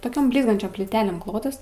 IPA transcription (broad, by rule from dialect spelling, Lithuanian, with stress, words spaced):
toːˈkʲoːm ˈbʲlʲiːzɡɐnʲt͡ʃʲoːm pʲlʲiːˈtʲæːlʲeːm ˈklˠoːtɐs